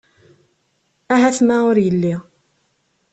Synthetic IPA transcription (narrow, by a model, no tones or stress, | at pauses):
æɦæθmæʊɾjəlːi